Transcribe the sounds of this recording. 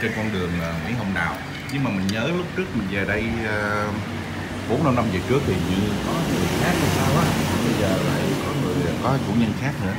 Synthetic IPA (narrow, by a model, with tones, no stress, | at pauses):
t͡ɕe˧nkɔ˧nɗɨ˨˩əŋʔːŋwḭ˧˥˦ɦə˧wŋ͡mɗaː˨˩w | ɲɨ˧ŋ͡mmaː˨˩mï˨˩ŋ̟ɲəː˨˦lʊ˦˥k͡p̚t͡ɕɨ˦˥k̚mï˨˩ŋ̟zə˨˩ɗə˧jː | ɓo˨˦nha˧mna˧mzəː˨˩t͡ɕɨ˦˥ək̚t̪ʰi˨˩ɲɨ˧ŋkɔ˨˦ŋɨ˨˩əjxaː˦˥k̚t̪ʰa˨˩saː˧wɔ˨˦˨a˨˩ɓə˧jzəː˨˩la̰ː˧˩˧jkɔ˨˦ŋɨ˨˩əjkɔ˨˦t͡ɕṵ˧˩ɲə˧nxaː˦˥k̚nɨ̰˧˩ə